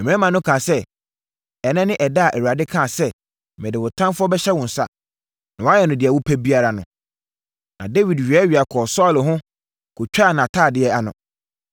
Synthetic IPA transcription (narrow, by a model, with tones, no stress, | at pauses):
m̩̃˨˦ɛ̃˦mã˨nʊ̃˦kʰãː˨sɛ˦ | ɛ˨nɛ̃˦nɪ̃˦ʔɛ˨da˦˨ʔæ˨wu˨ɾa˨dɪ˦kʰã˦˨sɛ˦ | mɛ̃˨dɪ˨wʊ˨tʰã˦nfʊ˦ɔ˦bɛ˦ɕɛ˦wɔ̃˨n̩˨sa̰˦ | nã˨wɔ˨˦a˦jɛ˨nʊ̃˨dɪ˨a˨wʊ˦pʰæ˦bi˦a˦ɾa˨nʊ̃˨ | nã˨de˦wi˨dɥɛ˦ɥi˨a˨kʰɔ˨sɔ˦˨lɦʊ̃˦ | kʰʊ˨t͡ɕᶣa˦˨nã˨tʰaː˦˨dɪ˨˦ɛ˦a˨nʊ̰̃˨